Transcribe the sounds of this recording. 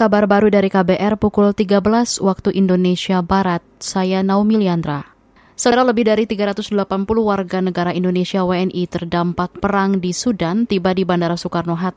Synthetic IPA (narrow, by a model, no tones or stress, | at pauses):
kabarbaɾudaɾikabeʔɛrpukʊlt̪iɡabəlaswak̚t̪uʔindonesiabaɾat̪̚sajanaumiliand̪ɾa | səɾaləbɪhdaɾit̪iɡaɾat̪ʊsdəlapanpuluhwarɡanəɡaɾaindonesiaweɛnʔit̪ərdampak̚pəɾaŋdisudant̪ibadibandaɾasukarnoɦat̪̚